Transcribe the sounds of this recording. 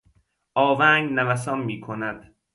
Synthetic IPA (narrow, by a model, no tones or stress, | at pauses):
ʔɒːvæŋɡnævæs̬ɒːmmiːkʰonæd̪̥